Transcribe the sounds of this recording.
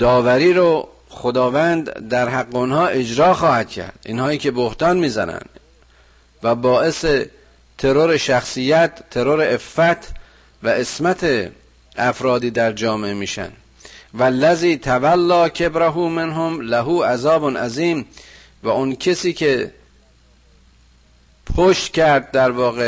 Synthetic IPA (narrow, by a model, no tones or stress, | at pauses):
d̪̥ɒːvæɾiːɾo | xod̪ɒːvænd̪d̪æɾɦæɡːeonɦɒːʔed͡ʒɾɒːxɒːhæd̪̥̚cʰæ̰ɾd̪̥ʔḭnhɒːiːcʲʰe̞bohd̪ɒːnmiːzænæ̰nd̪̥ | væbɒːʔe̞se | t̪ʰe̞ɾoɾe̞ʃæxsijːæt̪ʰːe̞ɾoɾeefːæt̪ʰ | væʔesmæt̪ʰe | æfɾɒːd̪iːd̪æɾd͡ʒɒːmeemiːʃæ̰nd̪ | vælːæziːt̪ʰævælːɒːcʰebɾæɦuːmenɦomlæɦuːʔæzɒːbonʔæziːm | væoncʰesiːkʰe | pʰoʃt̪cæɾd̪̚d̪æɾvɒːɣe